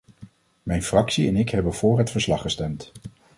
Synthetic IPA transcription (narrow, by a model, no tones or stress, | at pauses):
mɛjnfrɑksiɛnɪkɦɛbənv̥ʊːɹɦətfəɹslɑχəstɛmt